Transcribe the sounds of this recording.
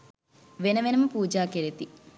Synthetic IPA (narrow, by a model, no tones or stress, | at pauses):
ʋenɐʋenɐmɐpuːd͡ʒaːkeɾet̪i